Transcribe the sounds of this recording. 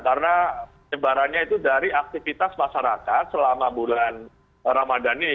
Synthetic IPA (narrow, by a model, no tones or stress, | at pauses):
karəna | ɲəbaɾanɲait̪udaɾiak̚t̪ifit̪asmaʃaɾakat̪̚səlamabulan | ɾamadani